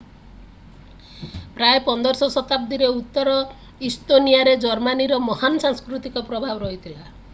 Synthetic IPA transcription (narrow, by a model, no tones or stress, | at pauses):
pɾaepɔnd̪ɔɾsɔsɔt̪ap̚d̪iɾeut̪ːɔɾɔ | ist̪onijaɾed͡ʒɔɾmaniɾɔmɔhanɔsaŋskɾut̪ikɔpɾɔbʱabɔɾɔɦit̪ʰila